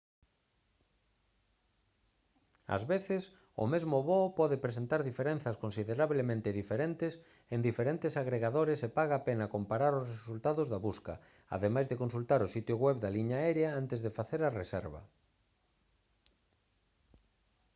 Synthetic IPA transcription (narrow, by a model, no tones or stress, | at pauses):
a̰zβeθɪs | ʊ̰mezmʊβɔpɔðɪpɾesent̪aɾðifeɾen̟θɐskonsiðeɾaβlemẽnt̪ɪðifeɾent̪ɪs | end̪ifeɾẽnt̪esaɣɾeɣaðoɾesepaɣaːpenakompaɾaɾʊsresult̪aðʊzðaβuska̰ | a̰ðemajzðekonsult̪aɾʊsit̪jʊɣwɛβd̪aliɲaɛɾjaant̪ezðefaθeɾaresɛɾβɐ̰